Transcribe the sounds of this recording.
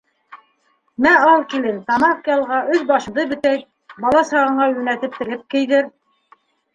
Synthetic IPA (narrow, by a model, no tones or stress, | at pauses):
mæɑlˠkilɘnt̪ɑmɑfkʲiɑlˠʁɑʔɵðbɑʃɤ̆ðɤbɘ̆t̪æjt̪̚ | bɑlˠɑsɑʁɤ̆ɴɢɑjʉnæt̪ɘp̚t̪ɘ̆lɘp̚kɘ̆jðɘɾ